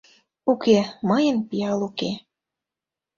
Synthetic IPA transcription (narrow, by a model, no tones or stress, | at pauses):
ukemɤjə̆npijɑluke